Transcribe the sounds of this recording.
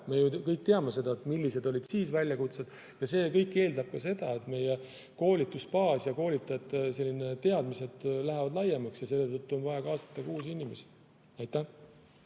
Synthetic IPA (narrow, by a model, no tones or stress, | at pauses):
me̞jukɤjk̚t̪eɑme̞se̞d̪̥ɑet̪milːise̞d̪o̞lʲid̪̥siːsvælʲjɑkut̪sed̪̥ | jɑse̞ːkɤ̞jkːe̞ːld̪ɑb̥̚kɑse̞d̪̥ɑe̞t̪me̞je | ko̞ːlʲit̪ːˑuspɑːsjɑko̞ːlʲit̪ːˑɑet̪ːˑse̞lːine̞t̪e̞ɑd̪̥mise̞d̪̥læɦevɑd̪lɑjemɑksjɑse̞lːet̪ɤt̪ːuo̞nvɑjɑkɑːsɑ̥t̪ˑːɑkuːsinʲimesi̥ | ɑjt̪ːˑæ